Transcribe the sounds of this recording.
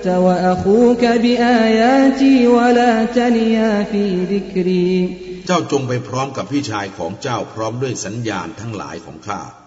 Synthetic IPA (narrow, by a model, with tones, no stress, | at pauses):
ta˧wa˧ʔa˧xuː˦ka˧bi˧ʔaː˧jaː˦t͡ɕi˧wa˧laː˧t͡ɕa˧ni˧ja˧fiː˧d̪i˦kɾiː˧t͡ɕaː˥˩wt͡ɕo˧ŋpa˧jpʰɾɔː˦˥mka˨˩p̚ʰːiː˥˩t͡ɕʰaː˧jkʰɔː˩˦ŋt͡ɕaː˥˩wpʰɾɔː˦˥mdu˥˩əjsa˩˦njaː˧nt̪ʰa˦˥ŋla̰ː˩˦jkʰɔ̰ː˩˦ŋkʰa̰ː˥˩